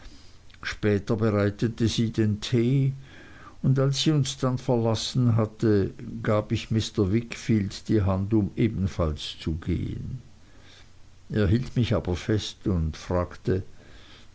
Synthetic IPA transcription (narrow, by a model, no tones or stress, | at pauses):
ʃpɛːtɐbəʁaɪtətəziːdentʰeː | ʊndalsiːʊnsd̥anfɛɐlasn̩ɦatəɡ̥aːbɪçmɪstɐvɪkfiːldd̥iːɦandʊmʔeːbn̩falst͡suɡḛːə̰n | eːɐɦiːltmɪçaːbɐfɛstʊndfʁ̥aːktə